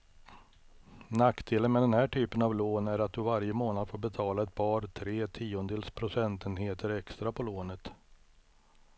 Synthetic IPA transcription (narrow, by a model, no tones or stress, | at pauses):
nakːd̪eːlənmɛd̪ɛnhæːʈʰyːpənavloːnæɾat̪̚d̪ɵvaɾjəmoːnad̪foːɾbɛt̪ʰɑːlaɛt̪̚bɑːɾt̪ʰɾeːt̪ʰiːʊnd̪eːlspʰɾʊsɛnt̪ənheːt̪əɾɛkst̪ɾapʰɔloːnət̪